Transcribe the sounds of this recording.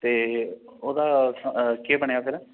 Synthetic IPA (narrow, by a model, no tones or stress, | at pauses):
t̪eːoːd̪aːkebəɳejaːpʰeːlɛ